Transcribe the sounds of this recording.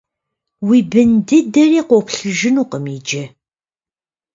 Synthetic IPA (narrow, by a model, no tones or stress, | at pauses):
wiːbɨndɨdɐriːqʷɔpɬɨʒɪnuːqəmiːd͡ʒɐ